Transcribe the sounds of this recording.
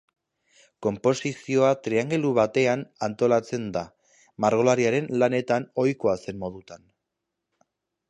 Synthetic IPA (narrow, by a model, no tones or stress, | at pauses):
ko̞mpo̞sisio̞at̪ɾeaŋɡe̞luβat̪e̞anant̪o̞lat͡se̞nd̪a | maɾɣ̞o̞laɾiaɾe̞nlane̞t̪ano̞jko̞ase̞mmo̞ð̞ut̪an